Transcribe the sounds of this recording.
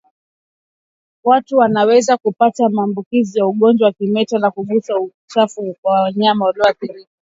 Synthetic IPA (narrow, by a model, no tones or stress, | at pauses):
watuwanawɛzakupatamaːmbukizijauɠɔnd͡ʒwawakimɛtanakuɠusau | t͡ʃafuaɲaamaɔlɔaθiɾii